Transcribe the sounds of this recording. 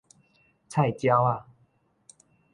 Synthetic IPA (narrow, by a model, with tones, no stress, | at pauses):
t͡sʰa˥˨jt͡ɕja˦wa˥˨